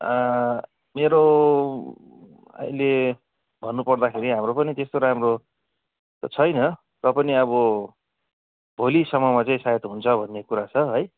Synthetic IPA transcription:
ʌ | meɾo | a̰ile | bʱʌnːupʌrd̪akʰeɾiɦamropʌnit̪est̪oɾamro | t̪ʌt͡sʰʌjnʌ | rʌpʌniʌβʌ | bʱolisʌmʌmat͡saĩsaet̪ɦunt͡sʰʌbʱʌnːekuɾat͡sʰʌɦʌj

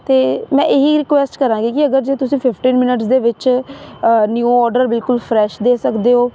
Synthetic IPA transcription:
t̪eːmɛ̃ːʔeːɦiːɾɪkʋɛːsʈkəɾãːɡiːkɪəɡəɾd͡ʒeːt̪ʊsĩːpʰɪpʰʈiːnmɪnəʈsd̪eːʋɪt͡ʃ | njuɔːɾɖəɾbɪlkʊlpʰɾɛːʃd̪eːsəkd̪eːɦoː

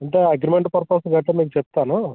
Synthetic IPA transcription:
ɐɳʈeɐɡɾimeɳʈpɐɾpoːslɡɐʈːɐmiːkut͡ʃɛp̚t̪aːnu

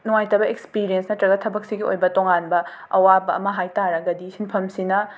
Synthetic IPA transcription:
nuŋajtɐbɐek̚spiɾijensnɐtɾɐɡɐt̚ʰɐbɐk̚siɡio̰jbɐtoŋanbɐ | ɐwabɐɐ̰mɐɦajtaɾɐɡɐdisinpʰɐmsinɐ

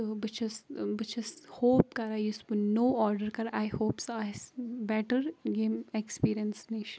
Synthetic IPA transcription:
bɨt͡ʃʰɪsbɨt͡ʃʰɪshoːp̚kɐɾausbunoːʔɔːɾɖəɾkɐɾajhoːpsajsbɛʈəɾɡẽːmɛkspiːɾiə̃nsneːʃ

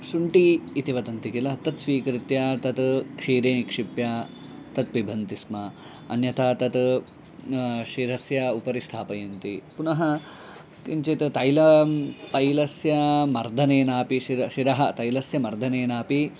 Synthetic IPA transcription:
ʃuɳʈiːt̪iʋɐt̪ɐnt̪ikilɐt̪ɐt̪sʋiːkɾit̪jaːt̪ɐt̪kʂiːɾeːnkʂipjat̪ɐt̪ʋibʱɐnt̪ismɐ | ɐnjɐt̪ʰaːt̪ɐt̪ | ʃiɾɐsjɐupɐɾist̪ʰaːpɐjɐnt̪ipunɐɦɐ | kint͡ʃet̪t̪ɐjlɐt̪ɐjlɐsjɐmɐɾd̪ʱɐneːnaːpiʃiɾɐʃiɾɐɦɐt̪ɐjlɐsjɐmɐɾd̪ʱɐneːnaːpi

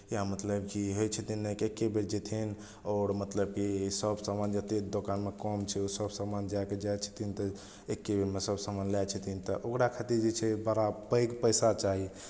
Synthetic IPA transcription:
jamət̪ləbkiɦojt͡ʃʰət̪ʰinːekekːebeɾd͡ʒet̪ʰin | ɔɾmət̪ləb̚kisəbsamand͡ʒət̪ed̪okanmekɔmt͡ʃʰɛusəbsamand͡ʒajked͡ʒajt͡ʃʰə̥t̪ʰint̪ɔ | ekːebeɾmesəbsamanlat͡ʃʰət̪ʰint̪ɔʔokɽakʰat̪iɾd͡ʒet͡ʃʰɛbəɾabəjkpəjsat͡ʃaɦi

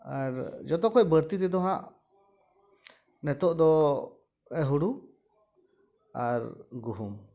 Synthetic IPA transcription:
aɾd͡ʒɔt̪ɔkʰɔjbəɾt̪it̪ɛd̪ɔɦaʔ | nɛt̪ɔʔd̪ɔ | ɛɦuɽu | aɾɡuɦum

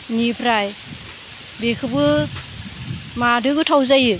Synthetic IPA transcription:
nipʰɾaj | bekʰɯbɯ | madɯɡɯtʰawzajɯ

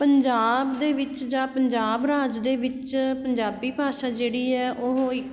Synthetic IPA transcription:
pəɲd͡ʒaːbd̪eːʋɪt͡ʃd͡ʒaːpəɲd͡ʒaːbɾaːd͡ʒd̪eːʋɪt͡ʃpəɲd͡ʒaːbiːbʱaːʃaːd͡ʒeːɽiːɛːʔoɦɪk

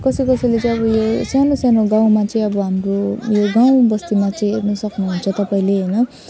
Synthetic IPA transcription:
kʌsikʌsʌjlet͡sʌj̃ʌbʌjosanosanoɡãw̃mat͡sʌĩʌbʌɦamrojoɡaw̃bʌst̪imat͡sʌĩenʌsʌknuɦunt͡sʰʌt̪ʌpaĩleɦʌjnʌ

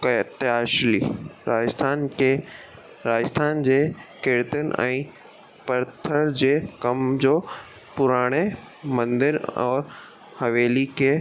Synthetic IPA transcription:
kɐt̪ɪaːʃliɾaːd͡ʑəst̪ʰaːnke | ɾaːd͡ʑst̪ʰaːnd͡ʑeːkeːɾt̪ənʔɛ̰̃ː | pɐɾt̪ʰəɾd͡ʑeːkɐmd͡ʑoː | pʊɾaːɽ̃e | mɐ̃nd̪ɪɾɔːɾ | hɐʋeːlikeː

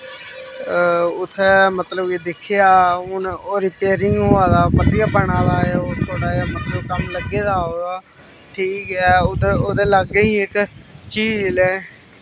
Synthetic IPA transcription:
ʊt̪ʰːɛːmət̪ləbiːd̪ɪkʰːejaːʊnoːɾɪpeːɾɪŋɡɦoːaːd̪aːpət̪ijaːpəɳaːd̪aːeoːt̪ʰoːɽaːaːmət̪ləbkəmləɡːeːd̪aːoːd̪aː | ʈʰiːkɛːʊt̪ːoːd̪eːləɡːəiːɪkt͡ʃiːlɛː

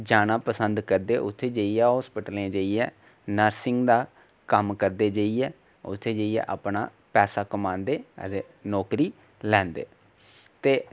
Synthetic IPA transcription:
d͡ʒaːnãːpəsənd̪kəɾd̪eːʔʊt̪ʰːeːd͡ʒeːiɛːɦɔːspəʈəleãːd͡ʒəːiɛː | nəɾsɪŋɡd̪aː | kəmkəɾd̪eːd͡ʒəːiɛː | ʊ̰t̪ʰːeːd͡ʒəːiɛ̰ːʔaːpna̰ː | pɛːsaːkəmaːnd̪ḛːt̪eː | nɔːkɾiː | lɛ̃ːnd̪ḛː | t̪eː

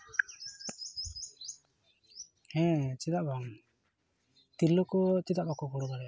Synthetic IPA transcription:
hɛ̃t͡ʃid̪aʔbaŋ | t̪ilɔkɔt͡ʃid̪aʔbakɔbɔɽɔbaɾɛ

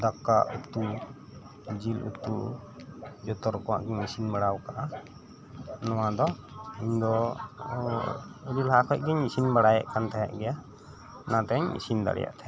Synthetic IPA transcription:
d̪akːa̰ʔut̪u | d͡ʒilṵt̪u | d͡ʒɔt̪ɔɾkɔwa̰ʔɡɛɲisinbaɽawkaʔa | nɔwad̪ɔ | iɲd̪ɔ | əlilɦakʰɔc̚ɡɛɲisinbaɽaja̰ʔkant̪ʰaja̰ʔɡɛja | nãt̪ɛɲḭsind̪a̰ɽɛ̰ja̰ʔt̪ʰajaʔ

